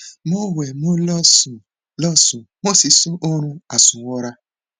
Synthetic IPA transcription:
mo˦wɛ˨mo˦lɔ˦sũ˨ | lɔ˦sũ˨mo˦si˨˦sũ˦ʔo˦ɾ̃ũ˦a˨sũ˨wɔ˦ɾa˦

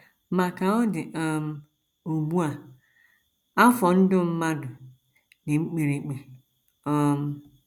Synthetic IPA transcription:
mã˨ka˨˦ɔ˦dɪ˨ʔa˨m | o˨bu˦a˨ | a˦fɔ˨n̩˦dʊ˦m̩˦mã˦dʊ˨ | nɪ̃˨ŋ͡m̩˦k͡pe˨ɾe˨k͡pe˨ | ɔ˨m

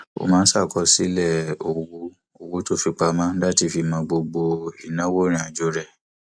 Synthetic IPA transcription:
o̰˧mãː˦˧n̩˦sa˦˨kɔ˧si˦lɛ˦˨o˨wo˦ | o˨wo˦to˦fi˧k͡pa˧mã˦da˦ti˧fi˧mãː˨˧˦ɡ͡bo˧ɡ͡bo˧i˨nã˨˦wo˦ɾ̃ĩ˧˦a˨d͡ʒo˧˦ɾɛ˦˨

